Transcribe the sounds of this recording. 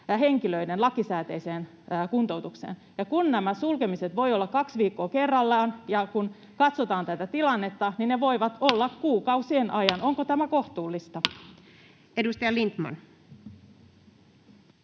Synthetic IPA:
ɦeŋkiløidenlɑkisæːt̪eiseːn | kunt̪out̪uksḛːn | jɑkunnæmæsulkemiset̪ʋo̞jolːɑkɑksʋiːkːoːkerːɑlːɑnjɑkun | kɑt̪sot̪ɑːnt̪æt̪æt̪ilɑnːe̞t̪ːɑninneʋo̞iʋɑt̪olːɑkkuːkɑuwsienʔɑjɑnoŋkot̪æmækoht̪uːlːist̪ɑ | edust̪ɑjɑlint̪mɑ̰n

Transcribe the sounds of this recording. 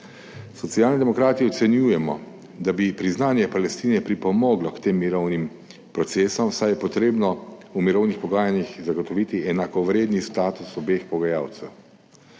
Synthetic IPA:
sɔt̪siaːlnid̪ɛmɔkɾaːt̪iɔt̪sɛnjuːjɛmɔ | d̪abipɾiznaːnjɛpalɛst̪iːnɛpɾipɔmɔːɡlɔkt̪eːmːiɾɔwnim | pɾɔt̪seːsɔmsajɛpɔt̪ɾeːbnɔumiɾɔwnixpɔɡaːjanixzaɡɔt̪ɔʋit̪iɛnakɔʋɾeːd̪nist̪aːt̪usɔbexpɔɡajaːwt̪sɛw

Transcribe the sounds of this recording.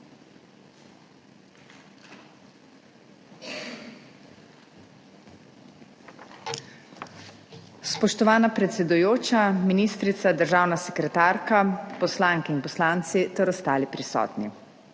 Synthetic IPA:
spɔʃt̪ɔʋaːnapɾɛt̪sɛd̪ujoːt͡ʃaminiːst̪ɾit̪sad̪əɾʒaːwnasɛkɾɛt̪aːɾkapɔslaːŋkɛinpɔslaːnt̪sit̪ɛɾɔst̪aːlipɾisɔ̰ːt̪ni

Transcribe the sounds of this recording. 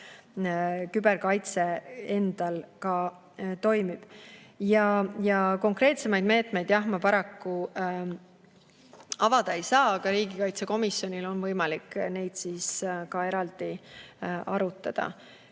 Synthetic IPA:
kybe̞rkɑjt̪se̞end̪̥ɑlkɑ | t̪o̞jmib̥jɑjɑko̞ŋkre̞ːt̪se̞mɑjd̪̚me̞ːt̪ˑme̞jd̪̥jɑɦmɑpɑɾɑkːu | ɑvɑd̪̥ɑejsɑːɑɡ̥ɑɾiːɡ̥ikɑjt̪se̞ko̞misːjo̞nʲilo̞nvɤjmɑlikːne̞jd̪̥siːskɑeɾɑld̪̥i | ɑɾut̪ːˑɑd̪̥ɑ̰

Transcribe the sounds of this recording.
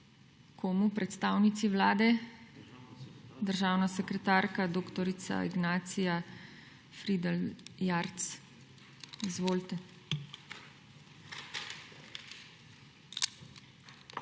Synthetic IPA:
kʰoːmupɾɛt̪st̪aːwnit̪siʋlaːd̪ɛ | d̪əɾʒaːwnasɛkɾɛt̪aːɾkad̪oːkt̪ɔɾit̪sa̰iɡnaːt̪sija | fɾid̪ɛljaɾt̪s | izʋoːlt̪ɛ

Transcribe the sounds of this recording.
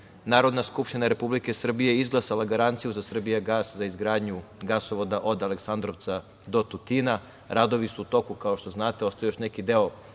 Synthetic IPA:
naːɾo̞d̪naskupʃt̪inaɾe̞publike̞sr̩bijeizɡlˠasalˠaɡaɾant̪sijuzasr̩bijaɡaːszaizɡɾaːd̪ɲuɡasoʋo̞d̪aʔo̞d̪aleksand̪ɾo̞ʋt̪sa | d̪o̞t̪ut̪ina | ɾad̪o̞ʋisuːt̪o̞kukaoʃt̪o̞znaːt̪eo̞st̪ajejoʃnekid̪eo

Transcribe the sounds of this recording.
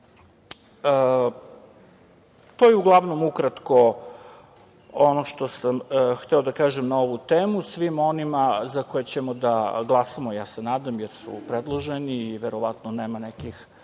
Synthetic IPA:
ə | t̪ojeuɡlˠaʋno̞mukɾat̪ko̞ | onoʃt̪o̞samxt̪ɛo̞d̪akaːʒemnao̞ʋut̪eːmusʋimo̞nimazakojet͡ɕemod̪aɡlˠasamojaːsenaːd̪amjeɾsṵpɾed̪lˠoʒeniːʋeɾoʋat̪noneːmanekix

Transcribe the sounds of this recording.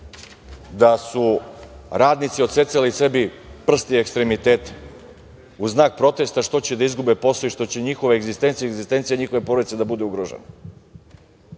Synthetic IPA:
d̪asu | ɾaːd̪nit̪sio̞t̪se̞t̪salise̞bi | pr̩st̪iekst̪ɾe̞mit̪eːt̪ | uznaːk̚pɾo̞t̪e̞st̪aʂt̪o̞t͡ɕe̞d̪aizɡube̞po̞soiʃt̪o̞t͡ɕeɲixo̞ʋeeɡzist̪e̞nt̪sijeeɡzist̪e̞nt̪sjeɲixoʋe̞po̞ɾod̪it̪se̞d̪abud̪euɡɾoʒḛne

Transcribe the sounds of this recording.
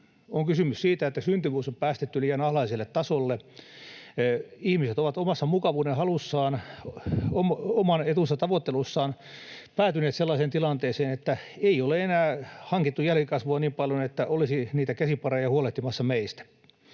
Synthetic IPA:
oŋkysymyssiːt̪æet̪ːæsynt̪yʋyːsompæːst̪et̪ːyliːjɑnɑhlɑiselːet̪t̪ɑsolːe | ihmiset̪oʋɑt̪omɑsːɑmukɑʋuːnehɑlusːɑːn | omomɑnet̪usːɑt̪ɑʋot̪ːelusːɑːn | pæːt̪yneːt̪selːɑːseːnt̪ilɑnt̪eːseːnet̪ːæeioleenæːhɑŋkit̪ːujælkikɑsʋuɑniːmpɑljonet̪ːæʔolisiniːt̪ækæsipɑrejɑhuoleht̪imɑsːɑmeist̪æ̥

